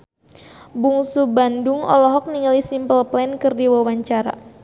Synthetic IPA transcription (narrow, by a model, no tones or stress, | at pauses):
buŋsubandʊŋɔ̰lɔɦɔk̚niŋalisimpəlplɛnkɨrdiwawaɲt͡ʃaɾa̰